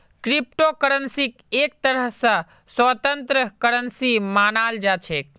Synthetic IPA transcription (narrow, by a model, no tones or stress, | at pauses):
kɾip̚ʈokəɾənsik | ek̚t̪əɾəɦsə̃ | swət̪ənt̪ɾəkəɾənsimanald͡ʒat͡ʃʰek̚